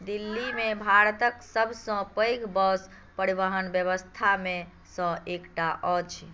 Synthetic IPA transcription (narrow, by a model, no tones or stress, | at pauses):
d̪ilːimebʱaɾt̪əksəbʱsə̃pəjɡbɔs | pəɾiβəɦənbjəβəst̪ʰame | sə̃ekʈaʔɔt͡ʃʰ